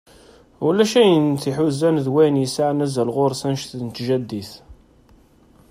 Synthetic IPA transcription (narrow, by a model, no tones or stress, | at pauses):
wlæʃæjənt̪iħuzænðwæjnjəsaʕnæzælʁoɾˤsænʃθnət̪ʒæd̪ːiθ